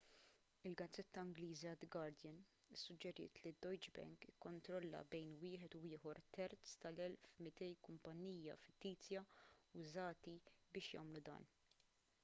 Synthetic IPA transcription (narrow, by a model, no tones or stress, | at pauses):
ɪlɡɐd͡zːɛt̪ːɐɪŋɡliːziɐd̪ɡɐɾd̪jɪn | ɪsːʊd͡ʒːɛɾɪ̰ːt̪lid̪ːɔjd͡ʒbɛ̰ŋkɪkːɔnt̪ɾɔlːɐ̰bɛjnwɪːħɛt̪uɪːħɔɾt̪ɛɾt͡st̪ɐlɛlfmɪt̪ɛjkʊmpɐnːiːjːɐfɪt̪ːiːt͡sjɐʊzɐːt̪ibɪːʃjɐ̰ːmlud̪ɐ̰ːn